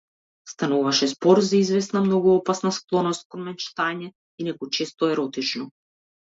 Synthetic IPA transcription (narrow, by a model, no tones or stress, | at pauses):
st̪anuvaʃɛzbɔɾzaizvɛsnamnɔɡuɔpasnasklˠɔnɔst̪̚kɔnmɛnt͡ʃt̪aɲɛ | inɛkɔt͡ʃɛst̪ɔɛɾɔt̪it͡ʃnɔ